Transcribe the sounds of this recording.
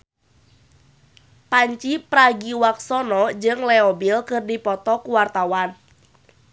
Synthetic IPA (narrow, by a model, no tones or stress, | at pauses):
paɲt͡ʃipɾaɡiwak̚sɔnɔd͡ʒɨŋlɛɔbilkɨrdipɔt̪ɔkuwart̪awan